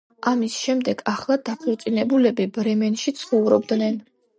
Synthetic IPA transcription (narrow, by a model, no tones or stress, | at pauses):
ʔamisʃɛmd̪ɛɡ̥aχlˠad̪apʰɔɾt̪sʼinɛbulɛbibɾɛmɛnʃit̪sʰχɔvɾɔbd̪nɛn